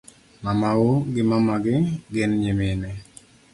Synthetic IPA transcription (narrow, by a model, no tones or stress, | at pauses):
mamauɡɪmamaɡɪɡɪnɲɪmɪnɛ